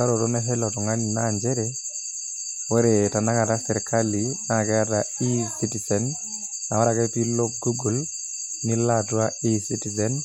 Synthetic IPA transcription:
a˦ɾɔ˨tɔ˦nɛ˦ɦɛ˦lɔ˨tɔ˨ŋa˦ni˨na˨ɲd͡ʒɛ˦ɾɛ | wɛ˦ɾe˨ta˨na˦ka˨ta˦sɛ˨ɾkʰa˦li˨na˦˨kɛ˦atai˦siti˨sɛ˨nː | a˨wa˦ɾa˨kɛ˦pi˦lo˦k̚ɡu˦ɡu˨l | ni˦latwa˦i˦si˦ti˨sɛn

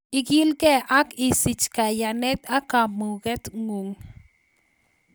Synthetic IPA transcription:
i˦kji˦lke˦a˦ki˨si˨t͡ʃka˨ja˨ne˦t̪a˦ka˨mu˨ɡe˦t̪ŋu˨ŋ

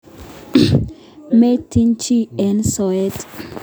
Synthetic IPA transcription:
me˦tʰi˦nt͡ʃi˦ɛ˨nsɔ˨ɛ˦t

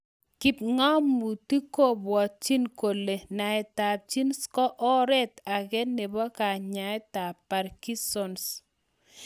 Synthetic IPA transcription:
ki˨p̚ŋɔ˦mːu˨ti˦ko˦bwɔ˨t̚t͡ʃi˦nko˨le˨na˨ɛ˨ta˨p̚t͡ʃi˦nskɔ˦ʔɔ˦ɾɛ˦ta˨ɡɛ˦ne˨bɔ˦ka˨ɲa˨ɛ˦ta˨pːa˨ɾki˦sɔ˦ns

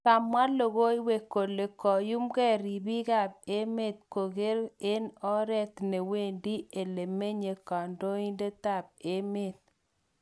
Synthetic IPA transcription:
ta˨mwa˦lo˨ɣo˦i˦we˨ko˨le˨kɔ˨ju˦mkɛ˦˨ɾi˨bi˦ka˦˨b̚e˦me˦˨t̪̚ko˨ɣe˦ɾe˦nɔ˦ɾɛ˦t̪ne˨we˦˨ndi˦e˨le˨me˦ɲe˨ka˨ndo˦i˦nde˦ta˦˨b̚e˦me˦˨t̪̚

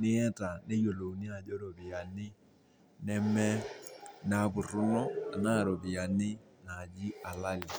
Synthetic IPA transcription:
nɪ˦jɛ˦ta˨ne˦jo˨lo˨nɪ˦a˨d͡ʒɔ˦ɾɔ˨bɪ˨ja˨nɪ˦ | nɛ˦mɛ˦na˦bʊ˨ɾʊ˦nɔ˦a̰˨na˦˨ɾɔ˨bɪ˨ja˨nɪ˦ | na˨d͡ʒɪ˦a˨la˦lɪ˨

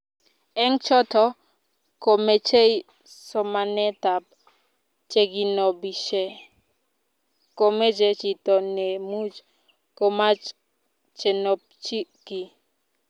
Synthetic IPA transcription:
ɛ˦ŋt͡ʃɔ˦tɔ˦ | ko˨me˨t͡ʃe˦j | sɔ˨ma˨nɛ˦ta˨p | t͡ʃe˦ɡi˨nɔ˨bi˨ʃe˦ | ko˨me˦d͡ʒe˨t͡ʃi˨tɔ˨ne˨mu˦d͡ʒ | ko˨ma˦ | t͡ʃe˨nɔ˨p̚t͡ʃi˦ki˨

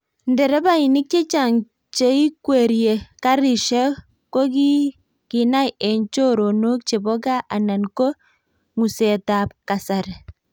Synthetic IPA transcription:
ndɛ˨ɾɛ˦ba˦i˨nɪ˦k̚t͡ʃe˦t͡ʃa˨ŋ | t͡ʃe˦i˦kwe˨ɾje˨ka˦ɾi˨ʃa˦ | ko˦ki˦ | ki˨na˦jɛ˨ɲt͡ʃo˦ɾo˨no˦k̚t͡ʃe˨bɔ˦ɡa˦ʔa˨na˨nko˦ | ŋu˨se˨ta˨p̚ka˨sa˨ɾ

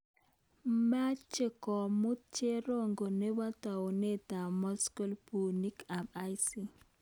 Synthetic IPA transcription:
ma˦t͡ʃe˦˨kɔ˨mʊ˦t͡ʃe˦ɾo˦ŋɡo˨ne˦wa˦ta˨ne˦ta˨mɔ˦sko˦lpu˨ni˦ka˨ma˦jsi˦

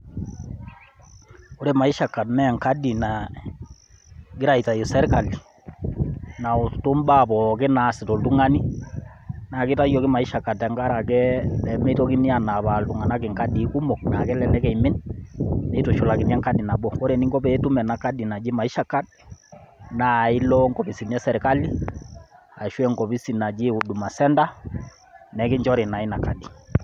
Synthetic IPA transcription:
ɔ˦ɾɛ˨ma˨i˦ʃa˨kːa˨dnɛ˦˨ŋka˦di˨na˨ | ɡɪ˦ɾa˨ita˨ji˨sɛ˦ɾka˨li˨ | na˨u˨tu˦mba˦˨bɔ˨kɛ˦na˨sɪ˨tɔ˨ltu˦ŋa˦ni˦ | na˨kɪ˦ta˦jɔ˨ki˦ma˨i˦ʃa˨kːa˨tɛ˨˦ŋɡa˦ɾa˨kɛ˦lɛ˨mɛ˦tɔ˦ki˦ni˦a˨na˨ba˨ltu˨ŋa˨na˦kɪ˨ŋka˦di˨˦ku˦mɔ˨k̚na˨kɛ˦lɛ˦lɛ˦kɛ˨jmɪ˦n | mɛ˦tu˨ʃu˨la˨kɪ˨nɛ˦ŋka˦di˨na˨bɔ˨kɔ˦ɾɛ˨ni˦ŋɡɔ˦pɛ˨˦tu˦mɛ˨na˨ka˦di˨na˨d͡ʒi˦ma˨i˦ʃa˦ka˦d̚ | na˨˦i˦lɔ˦ŋɡɔ˨pi˨si˨nɛ˦sɛ˨ɾka˦li˦ | a˨ʃwɛ˦ŋɡɔ˨pi˦si˨na˨d͡ʒɪ˦u˨du˨ma˨sɛ˦nda˦ | nɛ˨˦kɪ˦ɲd͡ʒɔ˦ɾɛ˨na˨i˦na˨ka˦di˨

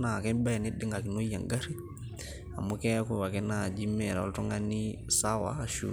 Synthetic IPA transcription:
na˨kɛ˦mba˦ja˨nide˦ŋɡa˨ki˨no˦ija̰˨ŋɡa˦ɾi˦ | a˨mu˦kɛ˦aku˨wa˨kɛ˦na˨d͡ʒi˦mɛ˨ɾa̰˨ɔ̰ltɔ˦ŋa˦nisawa̰ː˨ʃṵ

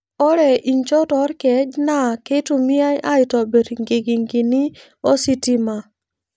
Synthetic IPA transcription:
ɔ˦ɾɛ˨ʔi˨ɲt͡ʃɔ˦tɔ˨˦ɾkɛ˨˦d͡ʒna˦˨ke˦tu˨mi˦a˦jʔa˦ɪ˨tɔ˨be˨ɾŋɡe˨ɡi˨ŋɡi˨ni˦ | ɔ˦si˦ti˦ma˨

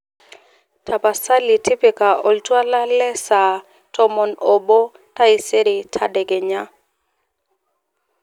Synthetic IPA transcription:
tʰa˨pa˨sa˦li˨tʰi˦pi˨ka˨ɔ˨ltwa˦la˦lɛ˦sa˨ | tɔ˦mɔ˨nɔ˨bo˦ | ta˦i˨se˦ɾi˨tʰa˦dɛ˨ɡɛ˨ɲa˦

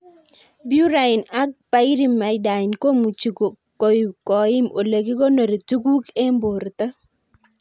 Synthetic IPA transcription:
bju˦ɾa˨ɪ˨na˦k̚pa˦i˦ɾi˦mːa˨ɪ˦da˨ɪ˨nko˦mu˨t͡ʃi˨ko˨ | ko˨i˨kɔ˨ɪ˦mo˨le˨ki˦ko˦no˨ɾe˨tu˦ku˦ke˦mbo˨ɾt̪a˦

